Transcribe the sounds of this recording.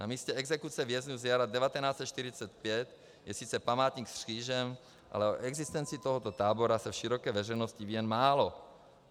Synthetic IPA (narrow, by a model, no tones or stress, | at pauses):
na̰miːscɛɛɡzɛkut͡sɛvjɛzɲuzjaɾad̪ɛvat̪ɛnaːt͡sɛt̪ʃt̪iɾɪt͡sɛt̪̚pjɛt̪ | jɛsit͡sɛpamaːt̪ɲiːksr̥iːʒɛm | ʔa̰lɛo̰ʔɛɡzist̪ɛnt͡sit̪oɦɔt̪ot̪aːboɾasɛfʃiɾokɛːvɛrɛjnoscivijɛnmaːlo